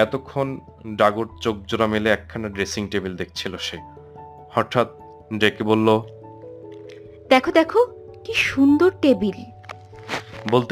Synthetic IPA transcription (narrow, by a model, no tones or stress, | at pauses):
ɛt̪okʰːon | ɖaɡoɾt͡ɕok̚d͡ʑoɾameleɛkʰːanaɖɾesiŋʈebild̪ek̚ʰt͡ɕʰiloʃe | hɔɾʈʰat̪̚ | ɖekebolːo | d̪ɛkʰod̪ɛkʰo | kiʃund̪oɾʈebil | bolt̪